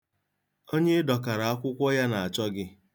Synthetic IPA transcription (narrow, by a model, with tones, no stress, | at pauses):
o˦ɲe˦dɔ˨ka˨ɾa˨a˦kʷʊ˦kʷɔ˦ja˦na˨a˨t͡ʃɔ˦ɡɪ˦